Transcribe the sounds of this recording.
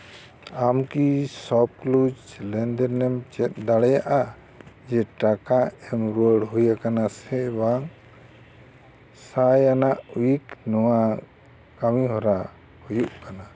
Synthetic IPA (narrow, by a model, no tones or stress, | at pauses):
amkisɔp̚klud͡ʒlɛnd̪ɛɾnɛmt͡ʃɛt̪̚ˀd̪aɽɛjaʔa | d͡ʒɛʈakaɛmɾɔɽɦujakanasɛbaŋ | sajanaʔwiknɔwa | kamiɦɔɾa | hujuʔkana